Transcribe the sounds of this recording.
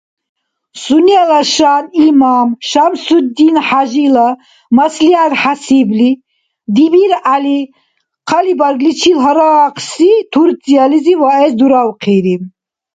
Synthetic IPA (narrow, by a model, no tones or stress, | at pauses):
sunialaʃanimamʃamsud̪d̪inħaʒila | masliaɾħasibli | d̪ibiɾali | qʰalibaɾɡlit͡ʃʰilɦɔɾaqʰsit̪ʰuɾzializivaɛsd̪uɾawqʰiɾi